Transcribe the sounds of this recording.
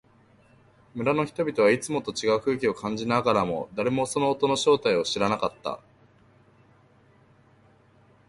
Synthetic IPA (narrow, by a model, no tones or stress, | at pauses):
mɯ̟ɾano̞çi̥t̪o̞bʲit̪o̞β̞ait͡sɨmo̞t̪o̞t͡ɕiɡaɯ̟kɯ̟ːkʲio̞kʰãɲ̟d͡ʑinaɡaɾamo̞̰d̪aɾe̞mo̞so̞no̞ːt̪o̞no̞ɕo̞ːt̪aio̞ɕiɾanakat̪ːa̰